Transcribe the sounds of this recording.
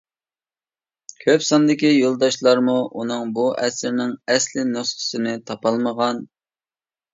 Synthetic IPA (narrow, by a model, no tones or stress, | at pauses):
kʲʰøpsɑnd̪ɪkʲijolˠd̪ɑʃlˠɑɾmuʔunɨŋbuʔɛsɪɾnɪŋɛslɪnosχə̥sɨnɪt̪ʰɑpɑlˠməʁɑn